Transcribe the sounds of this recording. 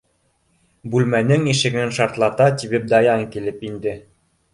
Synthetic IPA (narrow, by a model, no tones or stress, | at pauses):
bʉlmænɘŋiʃɘ̆ɡɘnʃɑɾt̪lˠɑt̪ɑt̪iβɘp̚d̪ɑjɑŋkilɘpind̪ɘ